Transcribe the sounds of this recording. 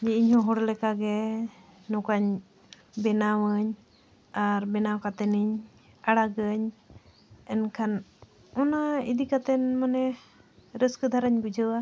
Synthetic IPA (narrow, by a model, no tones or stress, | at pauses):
d͡ʒɛiɲhɔ̃ɦɔɽlɛkaɡɛ | nɔkaɲ | bɛnawəɲ | aɾbɛnawkat̪ɛniɲ | aɽaɡəɲ | ɛnkʰan | ɔnaid̪ikat̪ɛnmanɛ | ɾəskəd̪ʱaɾaɲbəd͡ʒəwa